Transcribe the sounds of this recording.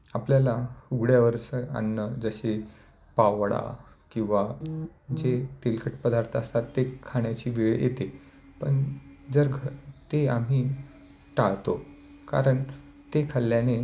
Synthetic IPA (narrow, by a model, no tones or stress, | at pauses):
apljalauɡɽjaʋəɾʂəa̰nːəd͡zəɕe | pawɽa̰ | kĩw̃ʋa | d͡ʑet̪elkʰəʈpəd̪ʱaɾt̪ʰəst̪at̪ːekʰaɳjat͡ɕiːʋeɭjʔḛt̪e | pəɳd͡zəɾɡʱət̪eam̤iː | ʈaɭt̪o | ka̰ɾəɳ | t̪ekʰaljane